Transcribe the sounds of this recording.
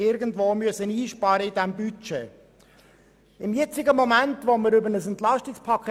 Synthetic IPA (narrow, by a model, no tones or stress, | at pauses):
ɪɾɡən̩d̪voːmyəsəniːʃpɑːɾəɪdæmbyt͡ʃe | ɪmjɛt͡sɪɡəmomæntʋoməɾʏbənəsɛnt̪lɑʃtɪkspʰɑkʰ